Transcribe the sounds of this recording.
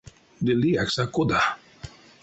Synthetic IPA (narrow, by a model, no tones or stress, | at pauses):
d̪iliaksakʊd̪a